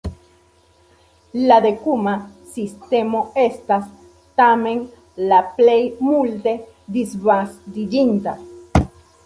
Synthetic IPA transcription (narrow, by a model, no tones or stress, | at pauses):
lad̪ekumasist̪emoest̪as | t̪amen | laplejmult̪e | d̪isβast̪id͡ʒint̪a̰